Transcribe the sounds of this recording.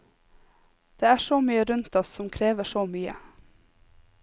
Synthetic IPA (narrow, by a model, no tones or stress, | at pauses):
d̪̥eːæːʃoːmyːəɾʉnt̪ɔssɔmkʰɾeːʋəʃoːmyːə̰